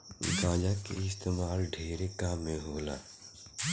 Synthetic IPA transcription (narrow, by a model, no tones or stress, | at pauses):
ɪ̰kaːd͡ʒakḛɪst̪eːmaːlɖʱeːɾekaːmẽɦoːla̰ː